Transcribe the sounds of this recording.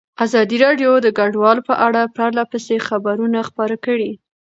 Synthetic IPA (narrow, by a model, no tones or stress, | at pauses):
azɑd̪iɾɑɖjod̪əɡaɖwɑlpəʔaɽapɾɑɾlapəsexabaɾunaxpɑɾakəɽi